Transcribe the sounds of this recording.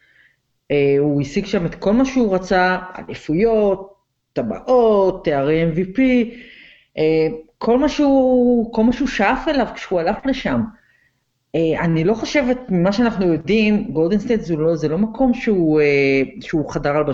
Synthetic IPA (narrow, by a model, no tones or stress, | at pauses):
euisiɡʃame̞t̪ko̞lmaʃeuʁat͡saa̰lifujo̞tː | aba̰ʔotːeaʁeemvipi | ʔekʰo̞lmaʃuko̞lmaʃuʃaafe̞lavkʃehualafleʃam | eanilo̞χoʃe̞vet̚mimaʃeanaχnujo̞dimɡo̞ldenst̪ejtzulozelo̞makʰo̞mʃeueʃeuχadaʁalba